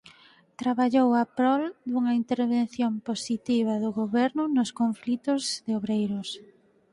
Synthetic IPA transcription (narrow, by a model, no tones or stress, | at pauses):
t̪ɾaβaʎowapɾɔld̪uŋɐint̪eɾβen̟θjomposit̪iβ̞ɐðʊɣoβɛɾnʊnʊskoɱflit̪ʊzðeoβɾejɾʊs